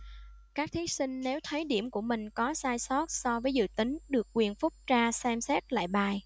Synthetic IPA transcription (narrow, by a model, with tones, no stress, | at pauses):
kaː˦˥k̚t̪ʰi˨˦sï˧ŋ̟ne˨˦wt̪ʰə˨˦jɗi˧˩əmku˧˩əmï˨˩ŋ̟kɔ˨˦saː˧jsɔ˦˥t̚sɔ˧vəː˨˦jzɨ̰˧˨t̪ï˨˦ŋ̟ɗɨ˨˩ək̚ːwi˨˩ənfʊ˦˥k͡p̚t͡ɕaː˧sɛ˧msɛ˦˥t̚la̰ː˧˨jɓaː˨˩j